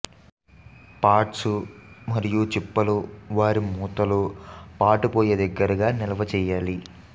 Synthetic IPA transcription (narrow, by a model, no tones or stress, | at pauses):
paːʈsumɐɾijut͡ʃipːɐluʋaːɾimuːt̪ɐlupaːʈupɔːjɐd̪ɐɡːɐɾɐɡaːnilɐʋɐt͡ʃɛːjaːli